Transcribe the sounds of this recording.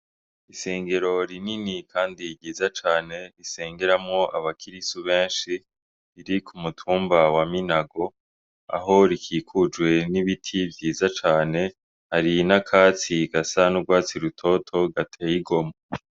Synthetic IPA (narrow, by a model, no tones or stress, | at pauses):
ise̞ːŋɡe̞ɾo̞ɾininikʰaːndiɟiːzat͡ʃaːne̞ɾise̞ːŋɡeɾamŋo̞ʔa̰βakʰiɾisuβe̞ːnʃi | iɾikʰumutʰuːmbawaminaɡo̞ | a̰ɦo̞ɾikʰiːkʰud͡ʒɡwe̞niβitʰibjiːzat͡ʃaːne̞ | haɾinakʰaːt͡siɡ̥asanuɡwaːt͡siɾutʰo̞tʰo̞ɡatʰejiɡo̞ma